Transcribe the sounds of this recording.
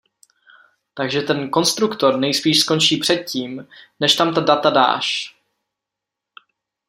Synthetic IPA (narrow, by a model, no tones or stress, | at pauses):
t̪aɡʒɛt̪ɛnko̞nst̪ɾukt̪o̞ɾnɛjspiːʃsko̞nt͡ʃiːpr̥ɛt̪̚ciːmnɛʃt̪amt̪adat̪ada̰ːʃ